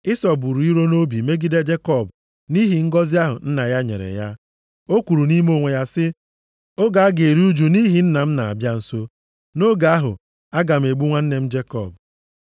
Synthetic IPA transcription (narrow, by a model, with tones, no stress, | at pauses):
ɪ˦sɔ˨bu˨ɾu˨i˦ɾo˦no˦bi˨me˦ɡi˦de˦d͡ʒe˦kɔ˦˨b | ni˦ɦi˨ŋ̩˦ɡɔ˦zɪ˦a˦ɦʊ̰˨n̩˦na˨ja˦ɲḛ˨ɾḛ˨ja˦ | o˦kʷu˨ɾu˨ni˦m˦o˦˨ŋʷe˨ja˦sɪ˦ | o˦ɡa˨a˦ɡe˨ɾi˦u˦d͡ʒu˨ni˦ɦi˨n̩˦na˨m̩˦na˨a̰˨bja˦n̩˨so˦ | no˦ɡa˨a˦ɦʊ̰˨ | a˦ɡa˨m̩˨e˨ɡ͡bu˦ŋʷa˦n̩˦ne˨m̩˦d͡ʒe˦kɔ̰˦˨b̚